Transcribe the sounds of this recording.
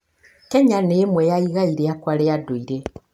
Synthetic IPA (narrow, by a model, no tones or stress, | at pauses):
kɛɲaneːmwɛjaiɣaiɾeakwaɾeadoiɾe